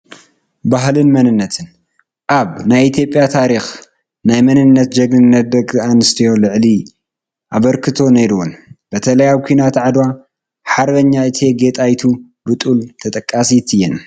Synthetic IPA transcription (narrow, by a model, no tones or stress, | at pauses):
baɦlɨnmɐnɨnːɐt̪ʰɨn | ʔaβnajit̪ʰjo̞pʼːjat̪ʰaɾix | najmɐnɨnːɐt̪̚d͡ʒɐɡɨɨnːɐt̪̚d̪ɐkʼanɨst̪ʰijo̞lɨʕli | ʔaβɐɾkʰɨt̪ʰo̞neɾuwunbɐt̪ʰɐlɐjawkʷʰinat̪ʕad̪wa | ħaɾbɐɲːaɨt̪ʰe̞ɡe̞t̪ʼajt̪ʰu | bɨt̪ʼult̪ʰɐt̪ʼɐkʼːasit̪ʰɨjːɛn